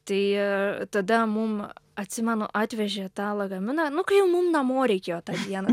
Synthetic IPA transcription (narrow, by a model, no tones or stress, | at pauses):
t̪ɐɪt̪ɐd̪ɐmʊmɐt̪ʲsʲɪmʲɛnʊʔɑːt̪ʲʋʲɛʒʲeːt̪ɑːlˠɐɡɐmʲɪnɐnʊkɐjɛʊmʊmnɐmoːɾʲɛɪkʲeːjoːt̪ɑːd̪ʲiɛnɐ